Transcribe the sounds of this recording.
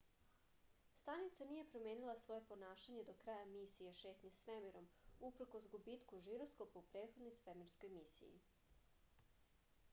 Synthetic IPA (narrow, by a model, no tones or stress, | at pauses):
st̪anit̪sanije̞pɾo̞me̞ːnilˠasʋo̞je̞po̞naːʃaɲe̞d̪o̞kɾaːjamisijeʃe̞ːt̪ɲesʋemiɾo̞mupɾ̩ko̞sɡubit̪kuʒiɾo̞skopaupɾeːt̪xod̪no̞jsʋemiɾsko̞jmisḭjḭ